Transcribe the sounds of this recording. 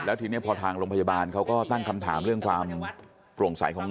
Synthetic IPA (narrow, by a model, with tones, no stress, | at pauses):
lɛː˦˥t̪ʰɯː˨˩˦ni˦˥˩ɐpʰɔː˧t̪ʰaː˧ŋɾoː˧mpʰa˧jaː˧baː˧nkʰa˦˥wkɔː˥˩t̪a˥˩ŋkʰa˧mt̪ʰaː˩˦mɾɯ˥˩əŋkʰwaː˧m | pɾu˨˩ŋsa̰˨˩˦jkʰɔː˩˦ŋ